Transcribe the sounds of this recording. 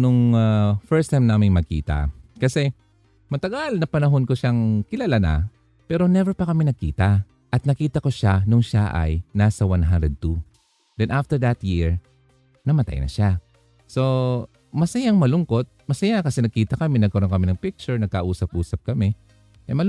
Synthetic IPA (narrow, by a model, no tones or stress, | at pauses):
nʊŋafɛɹst̪ajmnaːmɪŋmɐɡ̚kḭːt̪ɐ̰kɐsɛ | mɐt̪ɐɡalnɐpɐnɐɦo̞nkoʃaŋkɪlalana̰ | pɛːɾo̞nɛvɛɹpɐkɐminɐɡ̚kḭːt̪ɐ | ʔɐt̪̚nɐkiːt̪ɐkoʃanʊŋʃaʔɐ̰jnaːsɐwanɦanɾɛd̪̚t̪u | d̪ɛnʔaft̪ɛɹd̪ɐt̪jɪɹ | nɐmɐt̪a̰jnɐ̰ʃa | so̞ | mɐsɐjaŋmɐlʊŋko̞t̪̚mɐsɐjakɐsɛnɐɡ̚kiːt̪ɐkɐmɛnɐɡ̚kɐɾonkɐmɪnɐŋpɪk̚t͡ʃʊɹnɐɡ̚kɐʔuːsɐp̚ʔuːsɐp̚kɐmɛ | ʔɐjmɐl